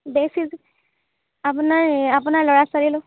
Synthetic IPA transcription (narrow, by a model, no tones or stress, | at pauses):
besiz | apunaɹapunaɹlɔɹasaɹilʊ